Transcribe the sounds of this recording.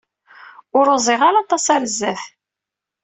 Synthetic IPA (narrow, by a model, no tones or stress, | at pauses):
ʊɾozˤɪʁalɑt̪ˤɑsæɾzːæθ